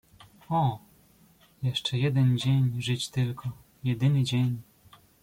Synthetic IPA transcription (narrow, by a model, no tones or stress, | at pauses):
ɔ | jɛʂt͡ʂɛjɛd̪ɛnd͡ʑeɲʐɘt͡ɕt̪ɘlkʰɔ | jɛd̪ɘnɘd͡ʑeɲ